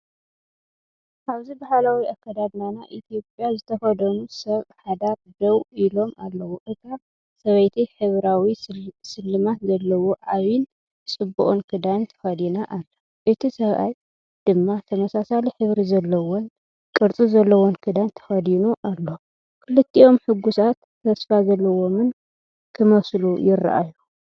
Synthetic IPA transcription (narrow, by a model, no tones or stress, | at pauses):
ʔaβzibahalawiakʰːad̪ad̪nanaʔit̪ʰijo̞pʼjazɨt̪ʰɐxɐd̪ɐnusɐβħad̪aɾd̪ɐwilo̞malːɐwoʔɨt̪a | sɐβɐjt̪ʰiħɨβɾawisɨlːɨmat̪zɐlːɐwoʔaβin | t͡sʼɨbuʔʼnkʰɨd̪ant̪ʰɐ̥xɐd̪inaʔalːɐ | ʔɨt̪ʰisɐβa̰j | d̪̥ɨmːat̪ʰɐmɐsasaliħɨβɾizɐlːɐwon | kʼɨɾt͡sʼizɐlːɐwonkʰɨd̪ant̪ʰɐ̥xɐd̪inuʔalːo̞ | kʰɨlɨt̪ʰːio̞mħɨɡusat̪ːʰɐsfazɐlːɐwo̞mɨn | kʰɨmɐslujɪrːa̰ʔa̰ju